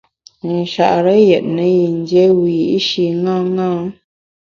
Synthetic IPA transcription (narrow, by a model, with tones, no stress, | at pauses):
n̩˨ʃa̰˨ʔɾə˦jɛ˨t̚nə˨˦ji˨n˦dje˦wi˨jʔi˦ʃi˨ŋã˦ŋã˦